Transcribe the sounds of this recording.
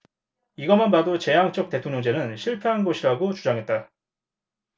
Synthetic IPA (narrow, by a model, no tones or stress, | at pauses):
iɡʌmanbadot͡ɕe̞jaŋt͡ɕ͈ʌk̚t͈e̞tʰoŋɲjʌŋd͡ʑe̞nɯnɕʰiɭpʰeɦanɡoɕʰiɾaɡot͡ɕud͡ʑaŋɦe̞t̚t͈a